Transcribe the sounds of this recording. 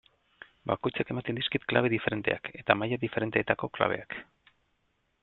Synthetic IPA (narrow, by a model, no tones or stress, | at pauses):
ba̰kojt͡sake̞mat̪end̪iskit̪klaβe̞ðife̞ɾe̞nt̪e̞̰ake̞t̪amajaðife̞ɾe̞nt̪e̞ːt̪ako̞kla̰β̞e̞̰ak